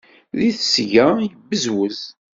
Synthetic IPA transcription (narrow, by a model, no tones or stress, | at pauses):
ðiθsʝæjəbːəzwəz